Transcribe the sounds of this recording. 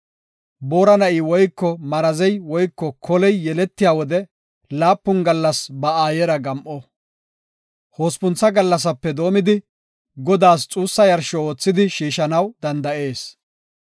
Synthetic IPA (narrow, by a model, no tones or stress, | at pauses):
bo̞ːɾɐnɐʔiːwɔjkːɔmɐɾɐzɛjwɔjkːɔkʰɔlɛjːɛlɛt̪ːɪjaːwɔd̪ɛ | laːpːʊnɡɐlːɐsbɐaːjɛɾɐɡɐmʔɔ | hoːspʊnt͡sːɐɡɐlːɐs̬ɐpːɛd̪o̞ːmɪd̪ɪ | ɡɔd̪aːst͡sʼuːsːɐjɐɾʃɔoːt͡sːɪd̪ɪʃiːʃɐnɐwd̪ɐnd̪ɐʔe̞ːs